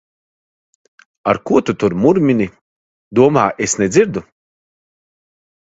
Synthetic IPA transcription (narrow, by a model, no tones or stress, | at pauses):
aɾkuɔt̪ut̪uɾmuɾmʲinʲi | d̪uɔmaːʔesned̪zʲiɾd̪u